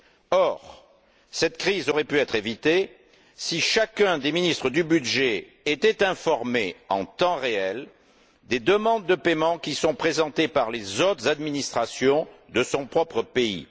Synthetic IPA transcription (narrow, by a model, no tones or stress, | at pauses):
ɔʁ | sɛt̪kχizɔʁɛpyɛt̪χevit̪e | siʃakɛ̃d̪eminist̪χəd̪ybyd̪ʒe | et̪ɛt̪ɛ̃fɔʁmeɑ̰̃t̪ɑ̃ʁeɛl | d̪ed̪əmɑ̃d̪ːəpemɑ̃kʲisɔ̃pχezɑ̃t̪epaʁlezot̪χəzad̪minist̪χasjɔ̃ | d̪əsɔ̃pχɔpχəpeḭ